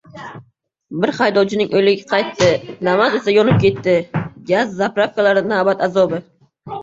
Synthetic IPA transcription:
bɪɾχajd̪ɒwt͡ʃʰɪnɪŋʔojlɪɡʲaqʰɑjt̪ːɪnamazesajɒnɪp̚kʲʰe̞t̪ːɪɡʲazːapɾafkalaɾɪnaːbat̪azɒbɪ

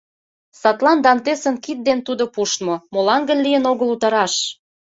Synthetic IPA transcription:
sɑt̪lɑnd̪ɑnt̪esə̆nkit̪̚d̪ent̪ud̪opuʃt̪momolɑnɡə̆nlijənoɣəlut̪ɑɾɑʃ

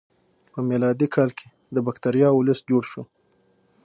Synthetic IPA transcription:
pəmelɑd̪ikʰɑlkʰe̥ | d̪əbakt̪aɾijɑʊləsd͡ʒoɽʃu

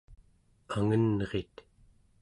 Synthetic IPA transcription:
aŋənʁet̪

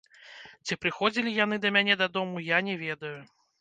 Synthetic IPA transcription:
t͡sʲipɾɨxɔd͡zʲilʲijan̪ɨd̪ɐmʲanʲɛd̪ɐd̪ɔmujanʲɛvʲɛd̪ɐju

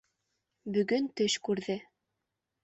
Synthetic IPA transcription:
bɵ̆ɡɵnt̪ɵʃkʉɾðɘ

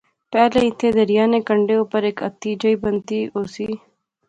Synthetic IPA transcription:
pɛːleit̪ʰed̪ɐɾjaːnekɐɳɖeopɐɾeːkɐt̪ːiːd͡ʒɐibɐnt̪ioːsi

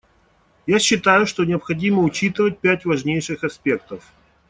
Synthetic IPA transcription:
jaɕːɪt̪ajʊʂt̪o̞nʲɪɐpxɐdʲiməʊt͡ɕit̪ɨvət̚ʲpʲætʲvɐʐnʲejʂɨxɐspʲe̞kt̪əf

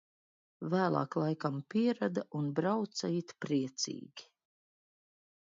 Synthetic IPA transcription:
væːlˠɑ̰ːklˠajkampʲiɛɾad̪aunbɾawt̪sait̪pɾiɛt̪sḭːɡʲi̥

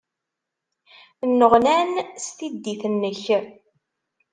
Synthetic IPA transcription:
nːəʁnænst̪id̪ːiθnːəç

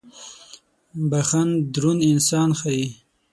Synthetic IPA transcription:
baxand̪ɾunɪnsɑnxaji

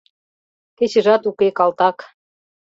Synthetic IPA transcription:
ket͡ɕɘ̆ʒɑt̪ukekɑlt̪ɑk

